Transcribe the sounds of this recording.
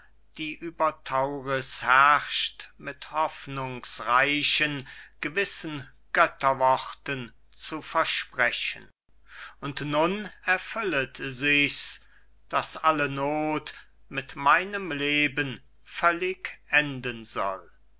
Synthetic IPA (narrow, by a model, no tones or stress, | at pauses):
d̥iːʔyːbɐtʰaʊʁɪshɛʃtmɪthɔfnʊŋsʁaɪʃənɡ̥əvɪsən | ɡ̥œtɐvɔʁtən | t͡sufɛɐʃpʁ̥ɛçə̰n | ʊntnʊnɛɐfʏlətzɪçs | d̥asʔalənoːt | mɪtmaɪnəmleːbən | fœlɪkʔɛndənzɔ̰l